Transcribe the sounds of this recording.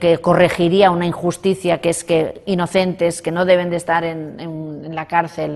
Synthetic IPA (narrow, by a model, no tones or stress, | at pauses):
ke̞ko̞re̞xiɾiaunaiŋxust̪iθjakeskeino̞θe̞nt̪e̞ske̞no̞ðe̞β̞e̞nd̪e̞st̪aɾe̞nenenlakaɾθe̞l